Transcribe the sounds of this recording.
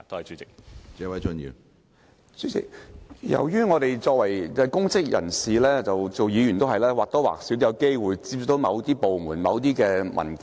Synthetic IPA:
t̪o˥hɐ˨jt͡ʃyː˨˥t͡sɪ˨k̚t͡sɛː˨˥wɐ˨˥jt͡ʃɵ˥njḭː˨˩ | t͡sy˨˥t͡sɪ̰˨k̚jɐ̰˨˩wjyː˥ŋɔː˨˧t̪e˨jt͡sɔː˧k̚wɐ˨˩jɛ˧kʊ˥ŋt͡sɪ˥k̚jɐ̰˨˩nsiː˨lɛː˥t͡sɐ˨wt͡so˨wjiː˨˧jyː˨˩nt̪o˥ɦɐ˨jlɛː˥waː˨k̚t̪ɔ˥wa̰ː˨k̚siː˨˥wt̪jɐ˨˧wke˥jwuː˨jt͡si˧p̚sy˨˥k̚t̪o˨˥wmɐ˨˧wt̪iː˥po˨wmuː˨˩nmɐ˨˧wt̪iː˥kɛː˧mʔɐ̰˨˩nf

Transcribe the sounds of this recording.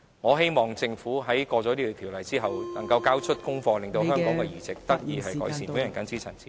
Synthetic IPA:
ŋɔː˨˧ɦe˥jmɔː˨˩ŋt͡sɪ˧ŋfuː˨˥ɦɐ˨˥jkɔː˧t͡sɔː˨˥liː˥kːt̪ʰi˨˩wlɐ˨˩jt͡siː˥ɦɐ˨wnɐ˨˩ŋkɐ˧wkaː˥wt͡ʃʰɵ˥t̚kʊ˥ŋfɔː˧lɪ˨ŋt̪o˧ɦœː˥ŋkɔː˨˧˥ŋkɛ˧jyː˨˩t͡sɪ˨k̚t̪ɐ˥k̚jiː˧ɦɐ˨jkɔː˨˥jsiː˨˩nuː˨˥jɐ˨˩nkɐ˨˥nt͡siː˥t͡sʰɐ˨˩nt͡siː˨

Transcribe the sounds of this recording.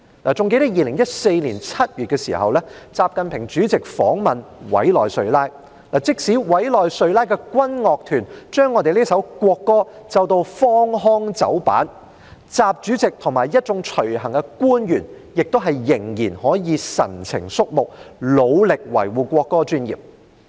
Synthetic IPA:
laː˨t͡sʊ˨˧ŋke˧t̪ɐ˥jiː˧lɪ˨˩ŋjɐ˥t̚se˧jliː˨˩nt͡sʰɐ˥t̚jyː˨t̚kɛː˧sḭː˨˩hɐ̰˨wlɛ˥t͡saː˨˧p̚kɐ˨npʰɪ˨˩ŋt͡ʃyː˨˥t͡sɪ˨k̚fɔ̰ː˨˥ŋmɐ˨nwɐ̰˨˥jlɔː˨jsɵ˧ɥlaː˥j | laː˨˩t͡sɪ˥k̚si˨˥wɐ˨˥jlɔː˨jsɵ˧ɥlaː˥jkɛː˧kwɐ˥nŋɔː˨k̚t̪ʰyː˨˩nt͡ʃœː˥ŋːɔː˧t̪e˨liː˥sɐ˨˥wkʷɔː˧kːɔː˥t͡sɐ˧wt̪o˧wfɔː˥ŋɦɔː˥ŋt͡sɐ̰˨˥wpa̰ː˨˥n | t͡saː˨˧p̚t͡ʃyː˨˥t͡sɪ˨k̚t̪ʰʊ˨˩ŋmaː˨˩jɐ˥t̚t͡sʊ˨˧˥ŋt͡ʃʰɵ˨˩ɥhɐ˨˩ŋkɛ˧kuː˥njyː˨˩n | jɪ˨k̚t̪o˥wɦɐ˨jːɪ˨˩ŋjiː˨˩nhɔː˨˥jiː˨˧sɐ̰˨˩nt͡sʰɪ̰˨˩ŋsʊ˥k̚mʊ˨k̚lo˨˧wlɪ˨k̚wɐ̰˨˩jwuː˨kʷɔː˧kːɔː˥t͡ʃyː˥njḭː˨˩p̚

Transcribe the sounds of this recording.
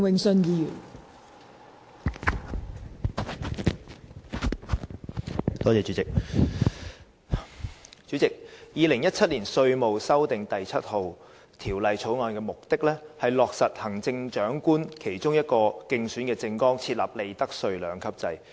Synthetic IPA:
wɪ˨ŋsɵ˧njiː˧jyː˨˩n | t̪ɔː˥t͡sɛː˨˧t͡ʃy˨˧˥t͡sɪ˨k̚ | t͡ʃyː˨˥t͡sɪ˨k̚jiː˨lɪ˨˩ŋjɐ˥t̚t͡sʰɐ˥t̚liː˨˩nsɵ˧ɥmo˨wsɐ˥wt̪ɪ˨ŋt̪ɐ˨jt͡sʰɐ˥t̚ho˨w | t̪ʰiː˨˩wlɐ˨jt͡ʃʰo˨˥wŋɔː˧nkɛː˧mʊ˨k̚t̪ɪ˥k̚lɛː˥hɐ˨˩jlɔː˨˩k̚sɐ˨t̚hɐ˨˩ŋt͡sɪ˧ŋt͡ʃœː˨˥ŋkuː˥nkʰe˨˩jt͡ʃʊ˥ŋjɐ˥t̚kɔː˧kɪ˧ŋsyː˨˥nkɛː˧t͡sɪ˧ŋkɔː˥ŋt͡sʰiː˧t̚la̰ː˨p̚le˨jt̪ɐ˥k̚sɵ˧ɥlœː˨˥ŋkʰɐ˥p̚t͡sɐ˧j

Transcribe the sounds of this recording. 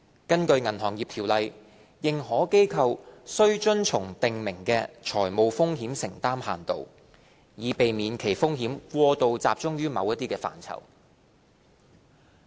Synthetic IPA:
kɐ˥nkɵ˧ɥŋɐ˨˩nɦɔː˨˩ŋjiː˨p̚t̪ʰiː˨˩wlɐ˨j | jɪ˨ŋɦɔː˨˥ke˥jkʰɐ˨˧wsɵ˥ɥt͡ʃɵ˥nt͡ʃʰʊ˨˩ŋt̪ɪ˨ŋmɪ˨˩ŋkɛː˧t͡ʃʰɔː˨˩jmo˨˧wfʊ˥ŋɦiː˨˥msɪ˨˩ŋt̪aː˥mha̰ː˨˩nt̪o̰˨w | jiː˨˧pe˨jmiː˨˧nkʰe˨˩jfʊ˥ŋɦiː˨˥mkʷɔː˧t̪o˨wt͡saː˧p̚t͡ʃʊ˥ŋjyː˥mɐ˨˧wjɐ˥t̪̚iː˥kɛː˧fa̰ː˨˩nt͡sʰɐ̰˨˩w

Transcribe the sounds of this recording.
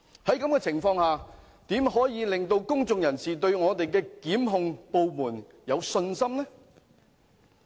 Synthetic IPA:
hɐ˨˥jkɐ˨˥mkɛː˧t͡sʰɪ˨˩ŋfɔː˧ŋhaː˨ | t̪iː˨˥mɦɔː˨˥jiː˨˧lɪ˨ŋt̪o˧wkʊ˥ŋt͡sʊ˧ŋjɐ˨˩nsiː˨˩t̪ɵ˧ɥŋɔː˨˧t̪e˨jkɛː˧kiː˨˥mɦʊ˨˧ŋpo˨wmuː˨˩n | jɐ˨˧wsɵ˧nsɐ˥mnɛ˥

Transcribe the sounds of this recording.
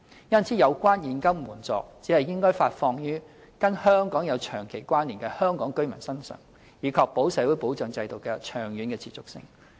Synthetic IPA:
jɐ˥nt͡sʰiː˨˥jɐ˨˧wkʷaː˥njiː˨nkɐ˥wmuː˨˩nt͡sɔ̰ː˨k̚t͡siː˨˥hɐ˨jɪ˥ŋkɔː˥jfaː˧tfɔː˧ŋjyː˥ | kɐ˥nhœː˥ŋkɔː˨˥ŋjɐ˨˧wt͡ʃʰœː˨˩ŋkʰe˨˩jkʷaː˥nliː˨˩nkɛː˧hœː˥ŋkɔː˨˥ŋkɵ˥ɥmɐ˨˩nsɐ˥nsœ̰ː˨˩ŋ | jiː˨˧kʰɔ˨˧k̚po˨˥wsɛː˨˥wuː˨˥jpo˨˥wt͡ʃœː˨ŋt͡sɐ˧jt̪o˨˩wkɛː˧t͡ʃʰœː˨˩ŋjyː˨˧nkɛː˧t͡sʰiː˨˩t͡sʊ˨ksɪ̰˧ŋ

